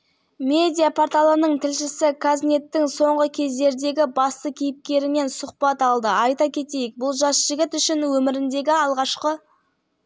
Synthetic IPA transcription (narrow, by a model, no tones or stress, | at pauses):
me̞d̪ijapʰort̪alˠənəɴt̪ʰɪlʃɪsɪkʰazne̞t̪ːɪŋso̞ɴʁəkʲʰe̞zd̪e̞ɾd̪e̞ɡʲɪbɑst̪əkʲʰijɪp̚kʲe̞ɾɪme̞nsʊqpɑt̪ɑlˠd̪əʔɑjt̪ɑkʲʰe̞t̪e̞jɪk̚bʊlˠʒɑsʒ̥ɪɡʲɪt̪ʏʃɪnwɵmɪɾɪnd̪e̞ɡʲɪɑlˠʁɑʃqə